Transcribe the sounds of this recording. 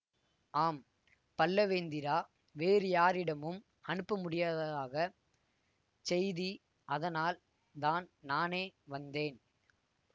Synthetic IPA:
ʔaːm | pɐlːɐʋeːnd̪ɪɾaː | ʋeːɾɯjaːɾɪɽɐmɯm | ɐɳɯpːɐmʊɽɪjaːðɐðaːɣɐ | sɛjði | ʔɐðɐnaːl | d̪aːnnaːneːʋɐnd̪eːn

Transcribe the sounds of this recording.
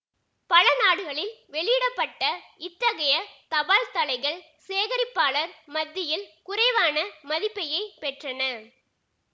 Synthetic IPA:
pɐlɐnaːɽɯɣɐɭɪlʋɛɭɪɪɽɐpːɐʈːɐɪt̪ːɐɣɐjɐt̪ɐʋaːlt̪ɐlɐɪɣɐɭ | seːɣɐɾɪpːaːɭɐɾmɐd̪ːɪjɪlkʊrɐɪʋaːnɐmɐðɪpːɐjɐɪpɛʈrɐnɐ

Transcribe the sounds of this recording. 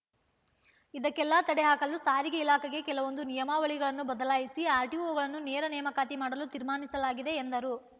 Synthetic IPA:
id̪ɐkːɛlːaːt̪ɐɽeɦaːkɐlːusaːɾiɡɐilaːkɐɡe̞kɛlɐʋo̞nd̪unijɐmaːʋɐɭiɡɐɭɐnːubɐd̪ɐlaːjisiaːɾʈioːɡɐɭɐnːuneːɾɐnɛjɐmɐkaːt̪imaːɽɐlut̪iɾmaːnisɐlaːɡid̪e̞ːnd̪ɐɾu

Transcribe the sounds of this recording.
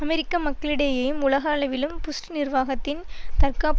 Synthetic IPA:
ɐmɛɾɪkːɐmɐkːɐɭɪɽɐjɐjɯmʊlɐɣaːɭɐʋɪlɯmpʊsʈnɪrʋaːɣɐt̪ːɪnt̪ɐrkaːp

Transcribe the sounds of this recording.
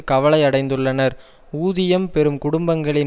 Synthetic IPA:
kɐʋɐɭɐɪɐɽɐɪnd̪ɯɭːɐnɐɾ | uːðɪjɐmpɛɾɯmkʊɽʊmbɐŋɡɐɭɪn

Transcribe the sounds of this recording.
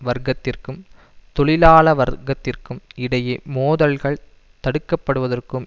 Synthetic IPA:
ʋɐɾɡɐt̪ːɪrkɯm | t̪ɔɭɪlaːɭɐʋɐɾɡɐt̪ːɪrkɯmɪɽɐjemoːðɐlɣɐɭ | t̪ɐɽɯkːɐpːɐɽɯʋɐðɐrkɯm

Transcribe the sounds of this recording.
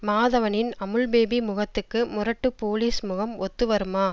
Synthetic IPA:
maːðɐʋɐnɪnɐmɯɭbeːbimʊɣɐt̪ːɯkːɯmʊrɐʈːɯpoːliːsmʊɣɐmɔt̪ːɯʋɐɾɯmaː

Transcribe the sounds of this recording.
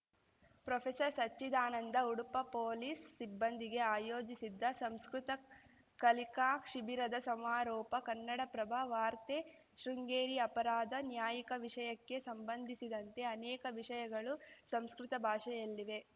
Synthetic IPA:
pɾɐpʰesɐɾsɐt͡ʃːid̪aːnɐnd̪ɐuɽupɐpoːliːsːibːɐnd̪iɡe̞aːjoːd͡ʒisid̪ːɐsɐmskɾut̪ɐ | kɐlikaːkʃibiɾɐd̪ɐsɐmaːɾɔːpɐkɐnːɐɽɐpɾɐbʱɐʋaːɾt̪e | ʃɾiŋɡeːɾiɐpɐɾaːd̪ɐnjaːjikɐʋiʂɐjɐkːe̞sɐmbɐnd̪ʱisid̪ɐnt̪e̞ɐnɛːkɐʋiʂɐjɐɡɐɭusɐmskɾut̪ɐbʱaːʂɐjɐlːiʋe̞

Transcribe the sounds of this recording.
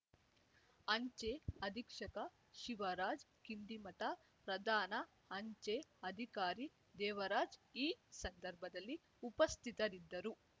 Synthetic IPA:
ɐɲt͡ʃeɐd̪ʱikʂɐkɐ | ʃiʋɐɾaːd͡ʒkind̪imɐʈɐ | pɾɐd̪ʱaːnɐ | ɐɲt͡ʃeɐd̪ʱikaːɾi | d̪ɛːʋɐɾaːd͡ʒiːsɐnd̪ɐɾbʱɐd̪ɐlːi | upɐst̪ʰit̪ɐɾid̪ːɐɾu

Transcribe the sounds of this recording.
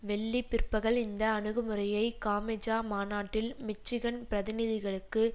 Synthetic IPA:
ʋɛɭːipːɪrpːɐɣɐɭɪnd̪ɐːnɯɣɯmɯrɐjɐɪkaːmɛd͡ʒaːmaːnaːʈːɪlmɪt͡ʃːɪɣɐnpɪɾɐðɪnɪðɪɣɐɭɯkːɯ

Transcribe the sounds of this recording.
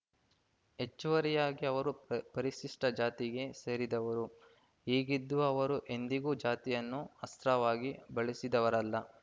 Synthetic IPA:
e̞t͡ʃːuʋɐɾɛjaːɡiɐʋɐɾupɐɾiʃiʂʈɐd͡ʒaːt̪iɡe̞se̞ːɾid̪ɐʋɐɾu | ɦiːɡid̪ːuɐɐʋɐɾuʔe̞nd̪iɡuːd͡ʒaːt̪ijɐnːuɐst̪ɾɐʋaːɡibɐɭisid̪ɐʋɐɾɐlːɐ

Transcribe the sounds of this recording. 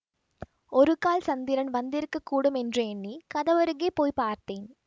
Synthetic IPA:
oɾɯkaːlsɐnd̪iɾɐnʋɐnd̪iɾkːɯkːuːɽumendrɐeɳːikɐðɐʋɐɾɯɣepoːjpaːrt̪eːn

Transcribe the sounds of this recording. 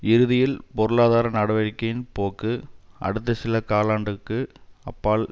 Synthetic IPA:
ɪɾɯðɪjɪlpɔɾɯɭaːðaːɾɐnɐɽɐʋɐɾɪkːɐjɪnpoːkːɯʔɐ̰ɽɯt̪ːɐsɪlɐkaːlaːɳɖɯkːɯɐpːaːl

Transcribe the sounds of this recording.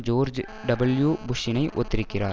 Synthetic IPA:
d͡ʒoːɾd͡ʒ | ɖɐbɐljuːbʊʂɪnɐɪʔɔt̪ːɪɾɪkːɪra̰ː

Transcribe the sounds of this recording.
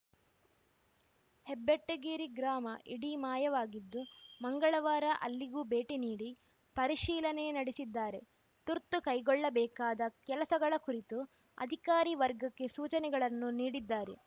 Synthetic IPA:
hebːeʈːɐɡiːɾiɡɾaːmɐʔiɽimaːjɐʋaːɡid̪ːumɐŋɡɐɭɐʋaːɾɐʔɐ̰lːiɡuːbe̞ːʈiniːɽi | pɐɾiʃiːlɐnenɐɽesid̪ːaːɾe̞ | t̪uɾt̪ːukɐjɡɔɭːɐbɛːkaːd̪ɐkɛlɐsɐɡɐɭɐkuɾit̪u | ɐ̰d̪ʱikaːɾiʋɐɾɡɐkːe̞suːt͡ʃɐnɛɡɐɭɐnːuniːɽid̪ːaːɾe̞

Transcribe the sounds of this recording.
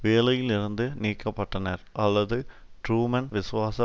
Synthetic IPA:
ʋeːlɐjɪlɪɾɯnd̪ɯniːkːɐpːɐʈːɐnɐɾʔɐlːɐðɯ | ʈɾuːmɐnʋɪsʊʋaːsɐ

